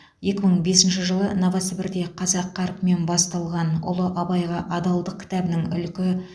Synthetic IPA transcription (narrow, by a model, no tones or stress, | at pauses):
je̞kʲɪməɴbe̞sɪnʃɪʒəlˠənɑvɑsɪbɪɾd̪e̞qʰɑzɑqʰːɑɾqme̞nbɑst̪ɑlˠʁɑnʊ̰lˠəʔɑbɑjʁɑʔɑd̪ɑlˠd̪əq̚kʲʰɪ̥t̪æbɪnɪŋʏ̰lkʲɪ